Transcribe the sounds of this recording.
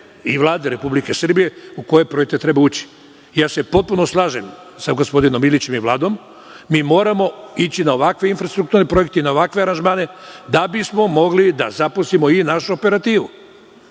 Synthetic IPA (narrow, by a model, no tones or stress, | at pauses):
iʋlˠaːd̪eɾe̞publikesr̩bije̞uko̞je̞pɾo̞jekt̪et̪ɾe̞bauːt͡ɕi̥ | jaːse̞po̞t̪̚punoslˠaːʒem | saɡospo̞d̪ino̞milit͡ɕe̞miʋlˠaːd̪o̞mː | iːmo̞ːɾamo̞it͡ɕinaoʋakʋeinfɾast̪ɾukt̪uɾnepɾo̞jek̚t̪einaoʋakʋeaɾanʒmaːne̞d̪abismo̞mo̞ɡlid̪a̰zapusimo̞inaʃuope̞ɾat̪iːʋu